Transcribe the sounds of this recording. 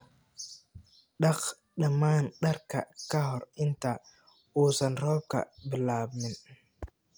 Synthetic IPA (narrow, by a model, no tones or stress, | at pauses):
ɗak | ɗamaːnɗaɾka̰kaɦɔɾɪnta | uːsanɾɔːb̚ka̰bɪlaːbmɪn